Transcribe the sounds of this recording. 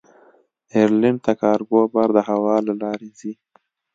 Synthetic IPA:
eɾlɪɳɖ̚t̪akɑɾɡobaɾd̪əɦawɑlalɑɾezi

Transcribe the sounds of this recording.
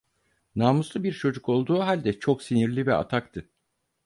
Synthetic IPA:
naːmuslˠɯbiɾt͡ʃʰo̞d͡ʒuko̞lˠd̪uːɦalʲd̪ɛt͡ʃʰo̞ksiniɾlʲivɛa̰t̪ʰakt̪ʰɯ

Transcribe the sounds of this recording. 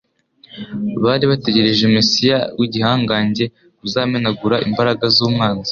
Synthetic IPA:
βaːɾiβate̞ɟe̞ɾe̞ʒemesijawiɟihaːŋɡaːɲɟe̞ | uzaːmenaɡuɾaʔimbaɾaɡazuːmŋaːnzḁ

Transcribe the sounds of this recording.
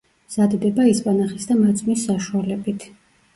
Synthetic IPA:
z̥ad̪d̪ɛbaispʼanaχisd̪amat̪sʼmisːaʃualɛbit̪ʰ

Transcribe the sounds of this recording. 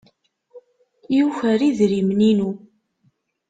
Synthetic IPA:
juçəɾiðɾimninu

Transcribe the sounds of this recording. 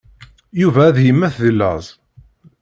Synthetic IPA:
juvæːðhimːæθðəlːæ̰zˤ

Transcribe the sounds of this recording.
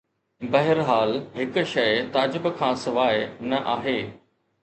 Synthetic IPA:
bɐɦɪɾɦaːlɦɪk̆ʃɐjt̪aːd͡ʑɪbkʰãːsɪʋaːɪnɐʔaːɦeː

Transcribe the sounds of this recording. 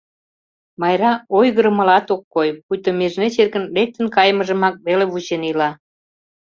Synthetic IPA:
mɑjɾɑojɣəɾmə̆lɑt̪okːojpujt̪omeʒnet͡ɕerkə̆nlek̚t̪ənkɑjməʒə̆mɑk̚βeleβut͡ɕenilɑ

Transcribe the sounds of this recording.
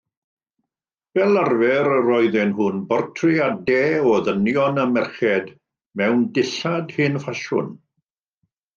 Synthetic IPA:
v̥ɛlˠarvɛɾəɾɔjðɪnhʊnbɔrtʰrɪadɛɔðənjɔnəmɛrχɛd | mɛwndɪɬadhɪnfaʃʊ̰n

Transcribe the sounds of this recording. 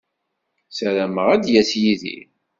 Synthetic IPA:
sæɾæməʁæd̪jæsjiðḭ

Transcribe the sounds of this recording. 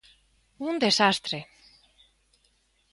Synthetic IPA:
und̪esast̪ɾe

